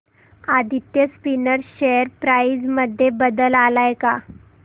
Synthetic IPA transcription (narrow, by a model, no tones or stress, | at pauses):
ad̪ʱit̪jəspinəɾɕejəɾpɾaid͡zməd̪ʱːjebəd̪əlalajka